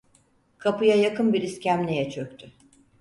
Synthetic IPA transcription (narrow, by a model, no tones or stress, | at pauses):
kʰapɯjajakɯnbiɾiscʲæmnʲejɛt͡ʃʰøk̚ʲt̪ʰy